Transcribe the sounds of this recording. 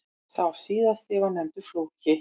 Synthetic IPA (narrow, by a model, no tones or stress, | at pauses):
sawɾ̥siːðast̪ɪːɣanɛmnt̪ʏɾ̥floːwcɪ